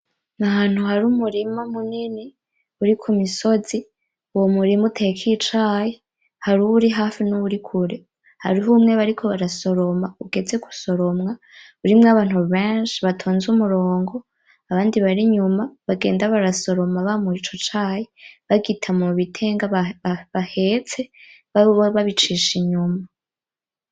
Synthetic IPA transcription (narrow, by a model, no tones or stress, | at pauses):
naɦaːn̥huhaɾumuɾimamunini | uɾikʰumiso̞zi | uwomuɾimutʰekʰit͡ʃaːje | haɾuβuɾiɦaːfinuβuɾikʰuɾe̞ | ha̰ɾiɦumŋe̞βaɾikʰo̞βaɾaso̞ɾo̞mauɡe̞d͡ze̞ɡu̥so̞ɾo̞mŋa | uɾimŋaβaːn̥huβeːnʃiβatʰoːnzumuɾo̞ːŋɡo̞ | aβaːndiβaɾiɲumaβaɡe̞̰ːndaβaɾaso̞ɾo̞maβamuit͡ʃot͡ʃaːjeβaɡitʰamuβitʰe̞ːŋɡaβahe̞t͡se̞ | βaβit͡ʃiːʃiɲuma